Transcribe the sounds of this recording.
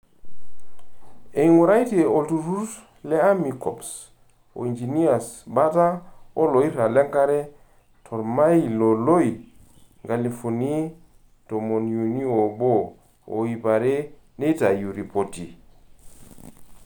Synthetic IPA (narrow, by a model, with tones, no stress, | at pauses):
e˨iŋu˨ɾa˦jte˨o˨ltu˨ɾu˦s | lɛ˦a˦mi˨kɔ˨ps | o̰˨i˨nd͡ʒi˨ni˦a˨sba˦ta˦o˦lo˨i˦ɾa˨lɛ˦ŋka˦ɾɛ˦ | tʰɔ˨ɾma˦i˨lo˨lo˦i˨ | ŋɡa˨li˨fu˨ni˦ | to˨mo˨nju˨ni˦o˨bo˦˨ | o̰˨i˨pa˨ɾe˦ | ne˦ta˨ju˨ɾi˨po˨ti˨